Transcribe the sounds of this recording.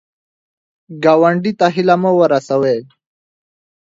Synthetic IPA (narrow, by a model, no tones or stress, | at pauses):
ɡawɐɳɖit̪aɦilaməwəɾasawe